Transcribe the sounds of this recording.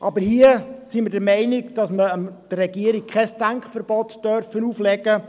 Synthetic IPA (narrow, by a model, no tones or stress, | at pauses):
ʔɑbəɾhiəsimədəɾmɛɪnikd̥ɑsməəmd̥ərːɛɡiəɾikkʰɛstæŋkχfəɾbɔtd̥œɾfənuːflɛɡə